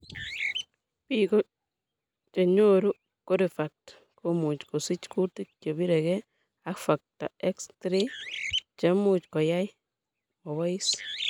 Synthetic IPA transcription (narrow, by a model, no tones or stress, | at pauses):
piko | t͡ʃeɲoɾu | koɾifak̚t | komut͡ʃkosit͡ʃkutik̚t͡ʃobiɾɛkɛ | akfak̚ta̰ekstɾi | t͡ʃamut͡ʃkɔjaj | mɔwɔis